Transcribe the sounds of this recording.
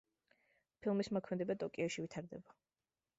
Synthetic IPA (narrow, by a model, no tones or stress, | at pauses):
pʰilˠmismɔkʰmɛd̪ɛbat̪ʼɔkʼiɔʃivit̪ʰaɾd̪ɛ̰ba